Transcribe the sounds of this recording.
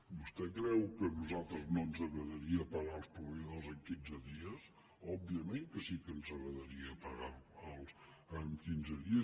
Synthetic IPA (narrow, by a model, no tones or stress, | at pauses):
bust̪ɛkɾɛwkənuzalˠt̪ɾəznoənzəɣɾəðəɾiəpəɣaəlˠspɾuβəðozəŋkinzəðiəs | ɔbiəmeŋkəsikənzəɣɾəðəɾiəpəɣaəlˠs | əŋkinzəðiə